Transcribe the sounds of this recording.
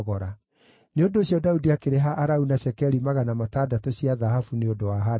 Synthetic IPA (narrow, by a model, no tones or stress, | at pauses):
ɣɔɾa | neondoːɕjɔdaudiakeɾɛɦaʔːɾaunaɕɛkɛɾimaɣanamatadatɔsiaðahafuneodowaɦa